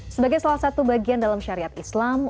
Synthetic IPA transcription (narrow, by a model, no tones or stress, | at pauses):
səbaɡajsalahsat̪ubaɡiandalamʃaɾiat̪islam